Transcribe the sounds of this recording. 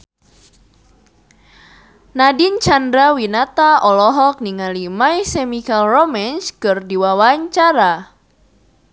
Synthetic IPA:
nadint͡ʃandɾawinat̪aɔlɔɦɔk̚niŋalimajsemikalromɛnskɨrdiwawaɲt͡ʃaɾa

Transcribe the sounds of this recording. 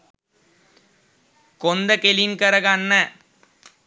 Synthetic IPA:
kɔnd̪ɐkelinkɐɾɐɣanːɐ

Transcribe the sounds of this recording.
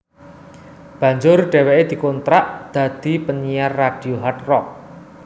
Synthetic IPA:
b̥ä̤ɲd͡ʒʊrɖ̥ɛ̤wɛʔed̪̥i̤kont̪ɾaʔd̪̥ä̤d̪̥i̤pənijarːaɖ̥i̤oɦat̪rɔk̚

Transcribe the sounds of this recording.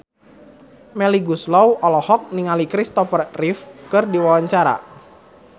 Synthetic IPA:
mɛliɡuslɔwʔɔlɔhɔk̚niŋalikɾist̪ɔfərrifkɨrdiwawaɲt͡ʃaɾa̰

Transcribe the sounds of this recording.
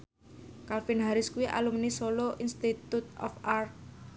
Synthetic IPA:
kalfinɦaɾɪskuiʔa̰lumnisoloʔinst̪it̪ut̪̚ɔ̰far

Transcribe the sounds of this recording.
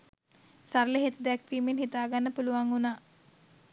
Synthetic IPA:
saɾləɦet̪əd̪ɛkʋiːmenhit̪aːɡanːəpuluʋaŋunaː

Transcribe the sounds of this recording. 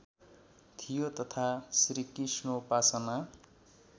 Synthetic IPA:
t̪ʰijot̪ʌt̪ʰasɾikisnopasʌna

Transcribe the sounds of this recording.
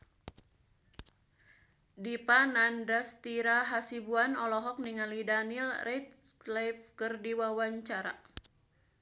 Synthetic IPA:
dipanandast̪iɾaɦasibuanɔlɔɦɔk̚niŋalidanilrʔɛt̪̚ | lɛfkərdiwawaɲt͡ʃaɾa̰

